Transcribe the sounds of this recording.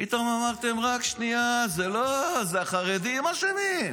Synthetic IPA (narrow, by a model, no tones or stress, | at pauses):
pit̪amamaʁt̪e̞mʁakʃniazelozeaχaʁed̪iimaʃeni